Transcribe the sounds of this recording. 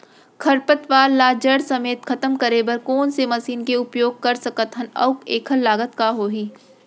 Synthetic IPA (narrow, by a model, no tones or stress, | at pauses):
kʰɐɾpət̪ʋaːlːaːd͡ʒəɽsɐmeːt̪kʰɐt̪əmkəɾebɐɾkɔːnsemɐsiːnkeʊpjoːɡ̚kɐɾsɐkət̪ɦɐnɐ̰ʊkeːkʰəlːaːɡət̪kaɦoːɦiː